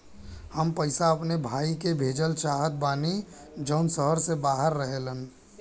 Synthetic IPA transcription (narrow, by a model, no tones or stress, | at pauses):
həmpəɪsaəpnebʱaːikebʱeːd͡ʒəlʃaːɦəd̪̚baːni | d͡ʒəʊnsəɦəɾsebaːɦəɾːəɦelən